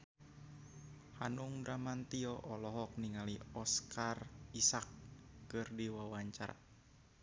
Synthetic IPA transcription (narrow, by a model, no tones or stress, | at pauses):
hanuŋbɾamant̪iɔʔɔlɔɦɔk̚niŋaliɔskarisakːɨrdiwawaɲt͡ʃaɾa̰